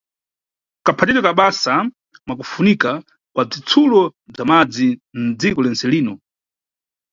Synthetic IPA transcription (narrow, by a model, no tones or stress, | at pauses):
kapʰatiɾɛkaɓasa | mwak̬ufunika | kwab͡ʐit͡sʰulɔb͡ʐamad͡zin̩d͡zikɔlɛnt͡sɛliːnɔ